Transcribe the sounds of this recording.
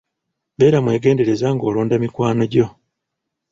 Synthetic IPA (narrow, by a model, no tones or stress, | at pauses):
βe̞ːɾamwe̞ːɡe̞ːnde̞ɾe̞zaŋɡo̞ːloːndamikwaːnoɟo̞